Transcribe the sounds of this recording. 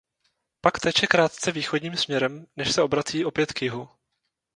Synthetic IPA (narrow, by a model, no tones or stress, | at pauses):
pakt̪ɛːt͡ʃɛkɾaːt̪t͡sɛviːxo̞dɲiːmsmɲɛɾɛmnɛʃsɛo̞bɾat͡siːʔo̞pjɛt̪kjɪɦu